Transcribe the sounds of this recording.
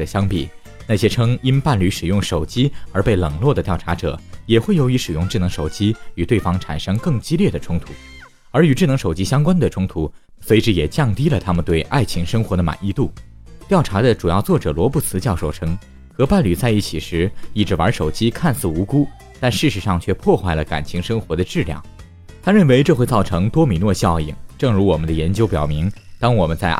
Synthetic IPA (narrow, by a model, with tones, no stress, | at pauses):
ə˩ɕjɑ˥ŋpḭ˨˩ | na˥˩ɕjɛ˥ʈ͡ʂʰɤ˥ŋi˥npa˥˩nly˧˥ʂɻ̩˨˩jʊ˥˩ŋʂo˨˩ʊt͡ɕi˥ə˞˧˥pe˥˩ɪlɤ˨˩ŋlwɔ˥˩d̪ə˩t̪jɑ˥˩ʊʈ͡ʂʰa˧˥ʈ͡ʂɤ̰˨˩˦jɛ˨˩xwe˥˩jo˧˥ʊi˧˥ʂɻ̩˨˩jʊ˥˧ŋʈ͡ʂɻ̩˥˩nɤ˧˥ŋʂo˨˩ʊt͡ɕi˥y˨˩t̪we˥˩ɪfɑ˥ŋʈ͡ʂʰa̰˨˩nʂɤ˥ŋkɤ˥˩ŋt͡ɕi˥ljɛ˥˩d̪ə˩ʈ͡ʂʰʊ˥ŋt̪ʰu˧˥ | ə˞˧˥y˨˩ʈ͡ʂɻ̩˥˩nɤ˧˥ŋʂo˨˩ʊt͡ɕi˥ɕjɑ˥ŋkwa˥nd̪ə˨ʈ͡ʂʰʊ˥ŋt̪ʰu˧˥ | swe˧ɪʈ͡ʂɻ̩˧˩jɛ˨˩t͡ɕjɑ˥˩ŋt̪i˥lə˨t̪ʰa˥mə˨nt̪we˥˩ɪʔa̰˥˩ɪt͡ɕʰi˧˥ŋʂɤ˥ŋxwɔ˧˥d̪ə˧ma̰˨˩ni˥˧t̪u˥˩ | t̪jɑ˥˩ʊʈ͡ʂʰa˧˥d̪ə˧˨ʈ͡ʂu˨˩jɑ˥˧ʊt͡swɔ˥˩ʈ͡ʂɤ˨˩lwɔ˧˥pu˥˩t͡sʰɹ̩˧˥t͡ɕjɑ˥˧ʊʂo˥˩ʊʈ͡ʂʰɤ˥ŋ | xɤ˧˥pa˥˩nly˨˩t͡sa˥˧ɪi˥˩t͡ɕʰi˨˩ʂɻ̩˧˥i˥˩ʈ͡ʂɻ̩˧˥wə˞˧˥ʂo˨˩ʊt͡ɕi˥kʰa˥˧nsɹ̩˥˩u˧˥ku˥ | t̪a˥˧nʂɻ̩˥˩ʂɻ̩˧˥ʂɑ˥˧ŋt͡ɕʰɥɛ˥˧pʰwɔ˥˧xwa˥˩ɪlə˩ka̰˨˩nt͡ɕʰi˧˥ŋʂɤ˥ŋxwɔ˧˥d̪ə˧ʈ͡ʂɻ̩˥˩ljɑ̰˥˩ŋ | t̪ʰa˥ɻə˥˩nwe˧˥ɪʈ͡ʂɤ˥˧xwe˥˧t͡sɑ˥˩ʊʈ͡ʂʰɤ˧˥ŋt̪wɔ˥mi˧˥nwɔ˥˧ɕjɑ˥˩ʊḭ˨˩ŋʈ͡ʂɤ˥˩ŋɻu˧˥wɔ˨˩mə˦nd̪ə˧jɛ˧˥nt͡ɕjo˥ʊpjɑ̰˨˩ʊmi˧˥ŋt̪ɑ˥ŋwɔ˨˩mə˦nt͡sa˥˧ɪ